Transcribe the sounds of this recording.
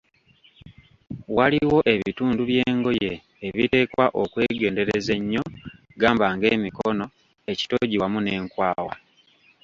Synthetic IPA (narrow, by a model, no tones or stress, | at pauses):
waliwo̞ʔe̞βituːnduβje̞ːŋɡo̞jeː | βite̞kwaʔokwe̞ːɡe̞ːnde̞ɾeze̞ɲːo̞ | ɡaːmbaŋɡe̞ːmikono̞ | e̞ci̥to̞ɟiwamune̞ːŋkwaːwa̰